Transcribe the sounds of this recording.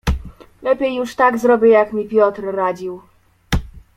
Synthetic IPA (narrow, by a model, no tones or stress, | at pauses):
lɛpʲjejːuʂt̪aɡzɾɔbʲɘjakmʲipʲjɔt̪ɾːad͡ʑiw